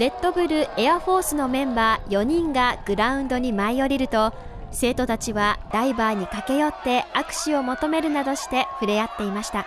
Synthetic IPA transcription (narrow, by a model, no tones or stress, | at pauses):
ɾe̞t̪ːo̞bɯ̟ɾɯ̟e̞aɸo̞ːsɨno̞mẽ̞mbaːjo̞ɲ̟ĩŋɡaɡ̥ɯ̟ɾaɯ̟̃nd̪o̞ɲ̟imaijo̞ɾʲiɾɯ̟t̪o̞ | se̞ːt̪o̞t̪at͡ɕiβad̪̥aibaːɲ̟ikake̞jo̞t̪ːe̞akɯ̥ɕio̞mo̞t̪o̞me̞ɾɯ̟nad̪o̞ɕi̥t̪e̞ɸɯ̟ɾe̞at̪ːe̞imaɕi̥t̪a